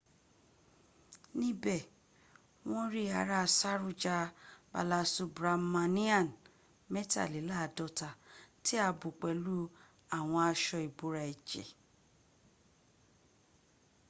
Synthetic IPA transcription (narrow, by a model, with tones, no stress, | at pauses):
nĩ˦bɛ˦˨ | w̃ɔ̃˦ɾi˦a˨˦ɾa˦˧sa˦ɾu˦˨d͡ʒa˧ba̰˧˨la˧su˧bɾa˧mã˧nĩ˦a˦˨n | mɛ˦ta̰˦˨li˨˦la˦˨dɔ˧ta˨ti˦a˧bu˨k͡pɛ˨lu˦ | a˨w̃ɔ̃˧a˧ʃɔ˧i˨bo˨˦ɾa˧ɛ˨d͡ʒɛ̰˨